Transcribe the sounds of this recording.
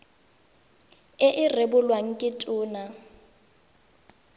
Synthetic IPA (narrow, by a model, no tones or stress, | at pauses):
ɪʔɪrɪbʊlwaŋ̩kʼɪtʼʊːna